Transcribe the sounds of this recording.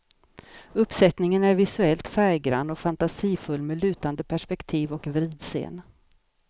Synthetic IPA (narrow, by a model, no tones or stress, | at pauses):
ɵpːsɛt̪nɪŋənæɾvɪsɵɛlt̪fæɾɡɾa̰nɔfant̪asiːfɵlːmelʉ̟ːt̪and̪əpʰæʂpɛkt̪ʰiːvɔkvɾiːd̪sḛːn